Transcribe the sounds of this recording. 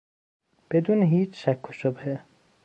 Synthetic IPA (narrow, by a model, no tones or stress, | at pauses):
b̥ed̪uːneɦiːt͡ʃʰʃækʰːoʃobhe